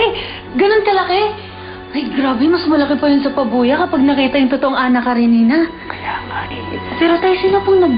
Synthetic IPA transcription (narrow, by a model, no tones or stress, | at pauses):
j | ɡɐnonkɐlɐkɛ | ʔɐjɡɾaːbɛmɐsmɐlɐkɪpɐjʊnsɐpɐbuːjɐkɐpaɡ̚nɐkiːt̪ɐjʊŋt̪ot̪oʔoŋʔaːnɐkɐɾɪniːnɐ | kɐjaːkɐʔpɛːɾot̪ɐjsɪlapʊnɐɡ̚